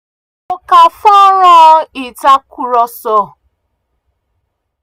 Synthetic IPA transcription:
o˨ka˨fɔ˦ɾɔ˦i˨ta˦ku˨ɾɔ˦sɔ˦˨

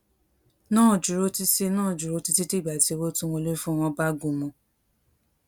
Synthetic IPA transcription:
nãː˦˨d͡ʒu˨ɾo˨˧˦ti˧se˧nãː˦˨d͡ʒu˨ɾo˨˦ti˧ti˦ti˦˨ɡ͡ba˨ti˨˦˧wo˦tũ˦wõ˧le˦fũ˦˧w̃ɔ̃˧ba˦ɡu˨mɔ̃˨˧

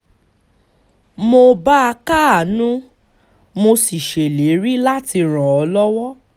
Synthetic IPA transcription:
mo˧ba˦a˧ka˦a˨nũ˦ | mo˧si˨ʃe˨le˨˦ɾi˦la˦ti˧ɾ̃ã˨ɔ˧lɔ˦wɔ˦

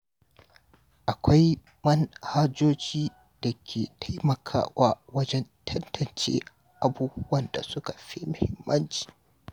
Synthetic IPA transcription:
ʔa˨kʷa˦j | mɐ˦nhaː˦d͡ʒoː˦t͡ʃiː˦ | d̥a˨kʲʰeː˨tʰa˦jmɐ˨kʰa̰ː˦waː˦wɐ˦d͡ʒɛ˦ntʰɐ˦ntɐ˨nt͡ʃḛː˦ | ʔa˨buː˦bʊ˦wɐ˨nda̰˨sʊ˦ka˨ɸi˦mʊ˨hɪ˦mːɐ˦nt͡ʃi̥ː˨

